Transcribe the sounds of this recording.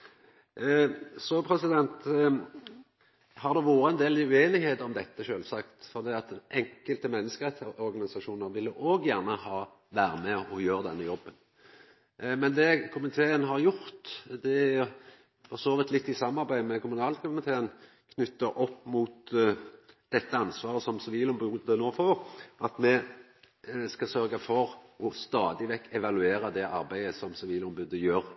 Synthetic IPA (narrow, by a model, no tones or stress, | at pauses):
sɔpʰɾɛsɪd̪ɛnt̪ | hɑʁd̪ɛʋuːɾəɛnd̪eːlɪʉeːnɪheːt̪əɔmd̪ɛt̪ːəʃøːlsɑkt̪fɔʁd̪iːɑt̪ʔɛŋkəlt̪əmɛnːəskəɾɛt̪sɔɾɡɑnɪsɑʃuːnəɾʋɪlːəʔoːɡjæʁnəhɑː | ʋæːɾəmɛɔjøːʁəd̪ɛnːəjɔbːən | mɛnd̪ɛkʰʊmɪt̪ʰeːənɦɑʁjʊʁt̪d̪ɛæ | fɔʁsoːʋɪt̪ʰlɪt̪ːɪsɑmːɑʁbæɪmɛkʰʊmʉnɑːlkʰʊmɪt̪ʰeːən | kʰnʏt̪ːəʔɔpːmuːt̪ | d̪̥ɛt̪ːəɑnsʋɑːɾəsɔmsɛʋiːlɔmbʉd̪ənoːfɔɾʔɑt̪mɛ | skɑsœɾɡɑfɔɾɔst̪ɑːd̪ɪʋɛkːɛʋɑlʉeːɾəd̪ɛʔɑɾbæɪəsɔmsɛʋiːlɔmbʉːd̪əjøːʁ